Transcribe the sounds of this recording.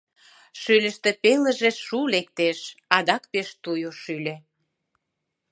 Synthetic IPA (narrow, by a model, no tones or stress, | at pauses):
ʃylʲə̆ʃt̪ĕpeləʒĕʃulek̚t̪eʃɑd̪ɑkpeʃt̪ujoʃylʲe